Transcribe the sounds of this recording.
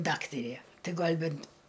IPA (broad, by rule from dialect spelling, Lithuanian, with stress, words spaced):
ˈdɑːktɐrʲeː ˈtɐɪ ˈɡɐlʲ ˈbʲɛnt